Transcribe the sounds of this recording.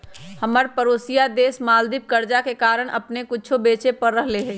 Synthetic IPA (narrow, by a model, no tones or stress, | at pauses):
həməɾpəɾoːsijad̪eːsmaːld̪ɪp̚kəɾd͡ʒakekaːɾəɽ̃ʔə̰pnekʊt͡ʃʰobeːt͡ʃepəɾːəɦleɦɛ